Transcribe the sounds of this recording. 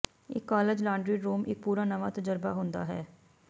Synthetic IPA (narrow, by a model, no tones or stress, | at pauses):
ɪ̰kːaːled͡ʒlãːɳɖɾiːɾuːmʔɪk̚puːɾaːnəʋaːt̪əd͡ʒəɾbaːɦʊ̃nd̪a̰ːɦɛː